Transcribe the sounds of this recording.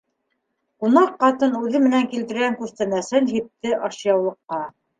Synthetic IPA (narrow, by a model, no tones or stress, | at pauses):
qunɑqːɑt̪ɤnʉðɘmɘ̆næŋkilt̪ɘ̆ɾɡæŋkʉɾst̪ænæsɘnɦip̚t̪ɘʔɑɕjɑwlˠɤ̆qːɑ